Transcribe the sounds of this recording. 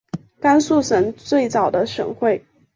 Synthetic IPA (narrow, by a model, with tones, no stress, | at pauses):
ka˥nsu˥˩ʂə˧˥ŋt͡swe˥˩ɪt͡sɑ˨˩ʊd̪ə˦ʂə̰˨˩ŋxwe˥˩ɪ